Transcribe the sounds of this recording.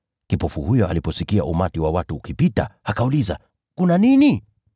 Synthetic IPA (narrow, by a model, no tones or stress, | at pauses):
kipɔfuhujɔa̰lipɔsikia̰umatiwawatuːkipitahakauliza̰ | kunanini